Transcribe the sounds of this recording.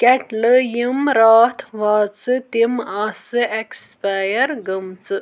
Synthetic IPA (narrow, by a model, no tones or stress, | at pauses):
keʈlɨjimɾaːt̪ʰʋaːt͡sɨt̪imasɨekspaːjɐɾɡəmt͡sɨ